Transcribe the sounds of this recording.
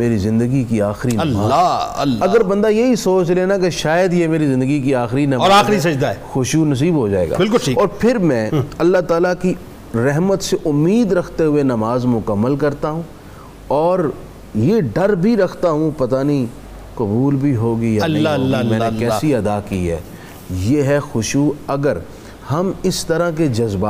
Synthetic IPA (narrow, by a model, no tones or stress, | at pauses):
meːɾizɪ̃nd̪əɡikiaːxɪɾinɐlː | ɐɡəɾbɐ̃nd̪ajeɦisoːt͡ʃleːnakeʃaːjəd̪jemeːɾizɪ̃nd̪əɡikiaːxɪɾinɐmɔːɾaːɾis̬ɐd͡ʒd̪aɛːxʊʃunɐs̬iːbɦod͡ʒa̰ːḛːɡa̰bɪlkʊiɔːɾpʰɪɾmɛ̃ɐlːat̪aːlaki | ɾɛɦmət̪seʔʊmːiːd̪ɾɐkʰt̪eɦʊenɐmaːzmʊkəmːəlkɐɾt̪aɦũː | ɔːɾ | jeɖɐɾbʱiɾɐkʰt̪aɦũpɐt̪aːnĩ | kɐbuːlbʱiɦoːɡɐijamɛ̃ːnekɛːsiɐd̪akḭɦɛ̰ː | jeɦɛxʊʃuɐɡəɾ | hɐmɪst̪ɐɾãk̬ed͡ʒɐzbaː